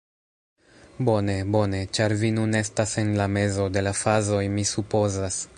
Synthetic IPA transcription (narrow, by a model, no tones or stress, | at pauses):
bo̞ne̞bo̞ne̞t͡ʃaɾvinune̞stase̞nlame̞zo̞de̞lafazo̞jmisupo̞zas